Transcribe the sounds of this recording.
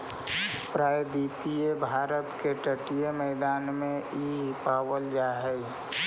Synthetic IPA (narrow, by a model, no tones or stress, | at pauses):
pɾaːjd̪ipiebʱaːɾət̪keʈəʈijemɛɪd̪aːnmẽiɦpaːwəld͡ʒaɦɛj